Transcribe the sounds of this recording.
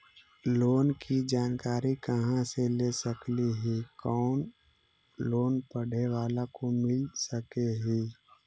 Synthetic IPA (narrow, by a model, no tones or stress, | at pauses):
loːnkid͡ʒaːnkaːɾikəɦãselesəkliɦikɔːn | loːnpəɽ̤ewaːlakomɪlsəkeɦi